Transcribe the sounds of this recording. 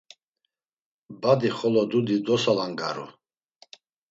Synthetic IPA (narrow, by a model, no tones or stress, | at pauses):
bad̪iχɔlɔd̪ud̪id̪ɔsalaŋɡa̰ɾṵ